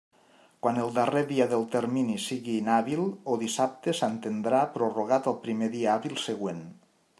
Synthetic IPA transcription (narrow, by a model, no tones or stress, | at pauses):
kwanelˠd̪areðiaðelˠt̪eɾminisiɣiːnaβilˠoðisap̚t̪esant̪end̪ɾapɾoroɣ̞at̪alˠpɾimeðiaaβilˠseɣwen